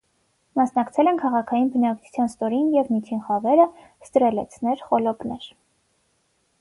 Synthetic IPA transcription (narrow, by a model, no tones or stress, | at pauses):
mɑsnɑkt͡sʰɛlɛnkʰɑʁɑkʰɑjinbənɑkt͡ʃʰu̥t͡sʰjɑnst̪ɔɾinjɛvmit̪ʰinχɑvɛɾə | st̪əɾɛlɛ̰t͡sʰnɛɾχɔlɔpnɛɾ